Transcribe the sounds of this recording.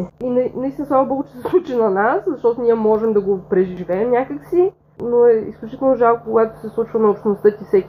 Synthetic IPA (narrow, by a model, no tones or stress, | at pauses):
inɐnɐist̪inəsamobɔɡot͡ʃɛ̥sɛslˠut͡ʃinɐnaszɐʃt̪ɔt̪onʲiɛmɔʒɛmd̪ɐɡopɾɛʒiivɛːmnʲakəksi | noɛḭsklʲut͡ʃi̥t̪ɛlˠnoʒalˠkokoɡat̪o̥sɛslˠut͡ʃvənɐopʃnost̪ɤt̪ʲifsɛkʲ